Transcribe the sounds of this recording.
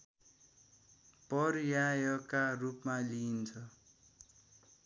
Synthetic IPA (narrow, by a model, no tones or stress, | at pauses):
pʌrjajʌkarupmalint͡sʰʌ